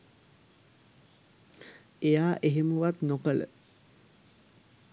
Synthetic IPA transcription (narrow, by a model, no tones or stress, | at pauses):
ejaːʔeɦemuʋat̪nokələ̰